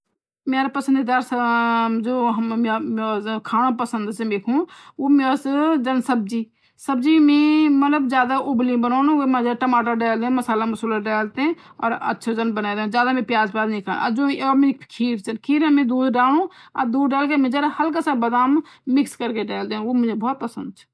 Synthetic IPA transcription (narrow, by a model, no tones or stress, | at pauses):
meːɾapəsənd̪id̪aːɾsd͡ʒoː | kʰaːnãpəsənd̪seːmeːkʰũːoːmesd͡ʒənsəb̚d͡ʒiː | səbd͡ʒiːmẽːmət̪ləbd͡ʒjaːd̪aːʔʊblĩbənoːnũemẽd͡ʒaʈəmaːʈaɖeːld̪ẽːməsaːlamʊsuːləɖaːlt̪ẽːɔ̰ːɾɐ̰tːʃʰad͡ʒənbənaːd̪ẽzjaːd̪amẽpjaːzpaːd̪nĩkʰaːna̰d͡ʒomẽkʰiːɾt͡ʃənkʰiːɾamẽd̪uːd̪ɖaːlũːa̰d̪uːd̪ɖaːlk̬emẽd͡ʒaɾhɐlk̬asabəd̪aːm | mɪkskəɾkeɖaːld̪eːũomʊ̃d͡ʒebɔːt̪̚pəsənd̪̚t͡ʃʰe̥